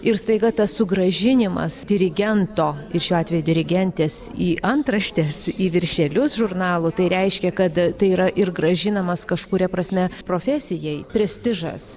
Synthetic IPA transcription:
ɪrst̪ɐɪɡɐt̪ɐssʊɡɾɐʒʲɪnʲɪmɐ̰sd̪ʲɪɾʲɪɡʲɛnt̪oːɪrʃʲuːɑːt̪ʲʋʲɛjʊd̪ʲɪɾʲɪɡʲɛnʲt̪ʲeːsiːʔɐnt̪ɾɐʃʲt̪ʲeːsiːʋʲɪɾʲʃʲɛlʲʊsʒʊrnɑːlˠʊt̪ɐɪɾʲɛɪʃʲkʲɛkɐt̪t̪ɐɪiːɾɐʔɪrɡrɐʒʲɪnɐmɐskɐʃkʊɾʲɛpɾɐsʲmʲɛpɾoːfʲɛːsʲɪjɛɪpʲɾʲɛsʲt̪ʲɪʒɐ̰s

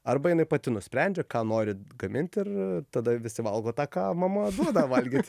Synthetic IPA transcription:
ɐrbɐjɪnɐɪpɐt̪ʲɪnʊsʲpʲɾʲɛnʲd͡ʒʲɛkɑːnoːɾʲɪɡɐmʲɪnʲt̪ʲɪrt̪ɐd̪ɐʋʲɪsʲɪʋɐlˠɡoːt̪ɑːkɑːmɐmɐd̪uɔd̪ɐʋɐlʲɡʲiːt̪ʲ

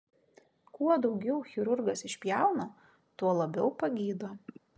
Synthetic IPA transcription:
kuɔd̪ɒʊɡʲɛʊxʲɪɾʊɾɡɐsɪʃʲpʲjæˑʊno | t̪uɔlˠɐbʲɛʊpɐɡʲiːd̪oː

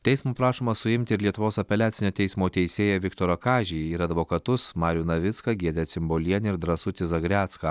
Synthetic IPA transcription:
t̪ʲɛɪsmuːpɾɑːʃoːmɐsʊɪmʲt̪ʲɪɪɾlʲiɛt̪ʊʋoːsɐpʲɛlʲæːt̪sʲɪnʲoːt̪ʲɛɪsmoːt̪ʲɛɪsʲeːjɛʋʲɪkt̪oːɾɐkɑːʒʲɪjɪɾɐd̪ʋoːkɐt̪ʊsmɑːɾʲjuːnɐʋʲɪt̪skɐɡʲiɛd̪ʲɛt̪sʲɪmboːlʲiɛnʲɪɾd̪ɾɐsʊt̪ʲɪzɐɡɾʲæːt̪skɐ

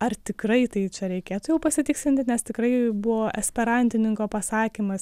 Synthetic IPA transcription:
ɐrt̪ʲɪkrɐɪt̪ɐɪt͡ʃʲɛɾʲɛɪkʲeːt̪ʊjɛʊpɐsʲɪt̪ʲɪksʲlʲɪnʲt̪ʲɪnʲɛst̪ʲɪkɾɐɪbʊʋoːʔɛsʲpʲɛɾɐnʲt̪ʲɪnʲɪŋkoːpɐsɑːkʲimɐs

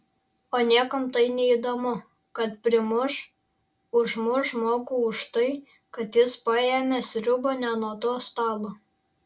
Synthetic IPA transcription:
oːnʲiɛkɐmt̪ɐɪnʲɛiːd̪oːmʊ | kɐt̪̚pʲɾʲɪmʊʃ | ʊʒmʊʃmoːkuʊʃt̪ɐɪ | kɐt̪jɪspɐjeːmʲesʲɾʲʊboːnʲɛnuɔt̪oːst̪ɑːlˠoː

